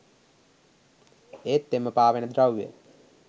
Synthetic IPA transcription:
eːt̪ːeməpaːʋenəd̪ɾawjḛ

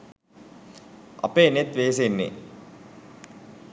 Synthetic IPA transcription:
a̰peːnet̪ʋeːs̬enːḛ

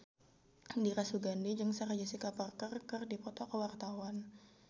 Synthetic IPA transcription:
diɾasuɡandid͡ʒɨŋsəɾad͡ʒasikaparkərkərdipɔt̪ɔkəwart̪awan

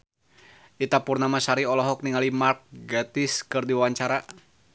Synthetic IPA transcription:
ʔit̪apurnamasaɾiɔlɔɦɔk̚niŋalimark̚ɡat̪ɪskɨrdiwawaɲt͡ʃaɾa

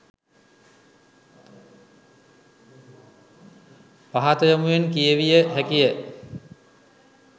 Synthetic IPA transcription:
paɦat̪əjəmujenkijəʋijəɦækijə

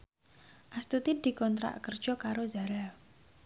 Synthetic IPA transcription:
ʔast̪ut̪id̪̥i̤kɔnt̪ɾa̰ʔkər̥ʒ̥ɔkaɾozaɾal

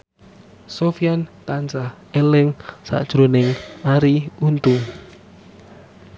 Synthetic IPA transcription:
sofiant̪ant͡ʃa | elɪŋsa̰ʔd̥ʒ̥ɾonɪŋaɾiunt̪u

